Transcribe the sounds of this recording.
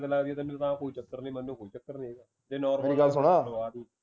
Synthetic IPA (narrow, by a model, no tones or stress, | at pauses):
t̪elaɡd̪iɛ̃ːt̪emet̪ãːkoːiːt͡ʃəkːəɾniːmənːũːkoːiːt͡ʃəkːəɾnĩːeːɡaː | d͡ʒ̪eːnɔːɾmeːəliɡəlsʊɽ̃aːaːd̪iː